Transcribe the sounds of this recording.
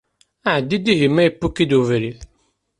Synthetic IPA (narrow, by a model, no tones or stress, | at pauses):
aʕəd̪ːid̪iɦimːæjəpːukːid̪uvɾiθ